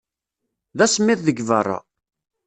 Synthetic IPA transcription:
ðæsəmːɪθðəɡvərˤːɑ̰

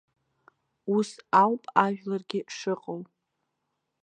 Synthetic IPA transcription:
usawpʼaʒᶣlarɡʲɪʂɨqʼaw

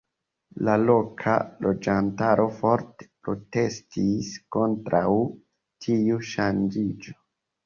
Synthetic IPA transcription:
lalo̞kʰa̰lo̞d͡ʒantaɾʔo̞fo̞ɾte̥pɾo̞te̞stisko̞ntɾʔaw | tʰiuʃand͡ʒid͡ʒo

